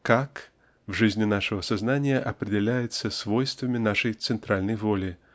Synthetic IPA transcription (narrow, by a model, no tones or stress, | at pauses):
kak | vʐɨzʲnʲinaʂɐvɐsaznanʲijɐʔɐpɾɨdʲɛlʲajʊt̪sːɐsvɔjst̪vɐmʲinaʂɐjt̪sɨnt̪ɾalʲnɐjvɔlʲi